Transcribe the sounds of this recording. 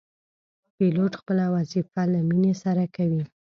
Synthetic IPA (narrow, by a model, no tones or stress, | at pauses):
piloʈxpəlawazifalaminesaɾakawi